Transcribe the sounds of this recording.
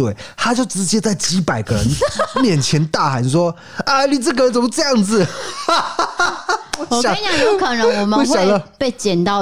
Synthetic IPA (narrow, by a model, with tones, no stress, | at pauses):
we˥˩ɪt̪ʰa˥t͡ɕjo˥˩ʊʈ͡ʂɻ̩˧˥t͡ɕjɛ˥t͡sa˥˩ɪt͡ɕi˧˥pa˨˩ɪɡə˦ɻə̰˧˦nmjɛ˥˩nt͡ɕʰjɛ˧˥nt̪a˥˩xa˧˥nʂwɔ˥ | ə˧˩ni˨˩ʈ͡ʂə˥˩ɡə˧ɻə˧˦nt͡sə˨˩m˦ʈ͡ʂɤ˥˧jɑ˥˩ŋd͡zɹ̩˩˧˨ | ɑ˨˩˥jo˥˧kʰa˥˩na˥wɔ˨˩mwe˥˩ɪjɑ˨˧˩lə˧˦pe˥˩ɪt͡ɕjɛ˨˩nt̪ɑ˥˩